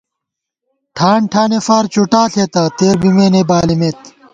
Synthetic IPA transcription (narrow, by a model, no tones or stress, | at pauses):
ʈʰaːɳʈʰaːnefaːɾt͡ɕuʈaːɬʰet̪ɐt̪eːɾbimeːnebaːlimeːt̪